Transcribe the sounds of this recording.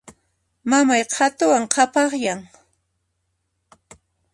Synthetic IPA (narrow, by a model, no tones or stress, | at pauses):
mamajqʰat̪ʊwaŋqʰɑpɑχjaŋ